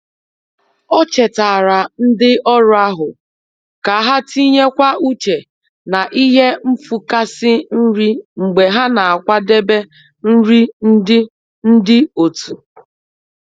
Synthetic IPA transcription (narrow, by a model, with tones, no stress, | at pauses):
ɔ˦t͡ʃe˨ta˨ɾa˨n̩˦dɪ˦ʔɔ˦ɾʊ˦a˦ɦʊ˨ | ka˨˦ɦa˦ti˦ɲe˦kʷa˦u˦t͡ʃe˨ | na˨ʔi˦ɦe˦m̩˦fu˨ka˦sɪ˦n̩˦ɾi˦ŋ͡m̩˨ɡ͡be˨ɦa˦na˨a˨kʷa˦de˦be˦ | n̩˦ɾi˦n̩˦dɪ˦ | n̩˦dɪ˦o˨tu˨